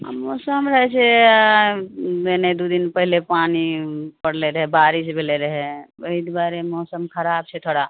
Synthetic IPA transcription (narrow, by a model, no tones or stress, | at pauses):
mɔːsəmɾəɦɛt͡ʃʰe | bened̪ud̪inpəɦilepaːnipəɽleɾəɦɛbaːɾis̬bʱeleɾəɦeəid̪baːɾemɔːsəmkʰəɾab̚t͡ʃʰet̪ʰoɽa